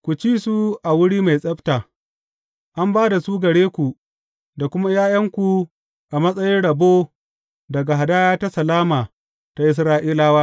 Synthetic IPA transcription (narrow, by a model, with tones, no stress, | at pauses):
kʷu˨t͡ʃiː˦su˦ʔa˨wʊ˦ɽiː˦ma˨jsʼɐ˦ɸtaː˨ | ʔa˦mbaː˦da˨suː˦ɡɐ˨ɽeː˦kʷu˨ | da˨kʷʊ˦ma˦jaː˦jɐ˦ŋkʷu˨ | ʔa˨mɐ˦sʼɐ˦jɪ˦nɽɐ˨boː˦ | dɐ˨ɡa˨ɦa˨daː˦jaː˦ta˦sɐ˨laː˦maː˨ | ta˨ʔɪ˦s̬ɾaː˦ʔiː˦laː˦waː˦